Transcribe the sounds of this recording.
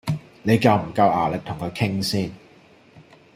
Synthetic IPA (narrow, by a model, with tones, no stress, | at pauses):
ne˨˧jkɐ˨˧wm̩˨˩kɐ˧wʔaː˨˩lɪ˨˩k̚t̪ʰʊ˨˩ŋkʰɵ˨˧jkʰɪ˥ŋsiː˥n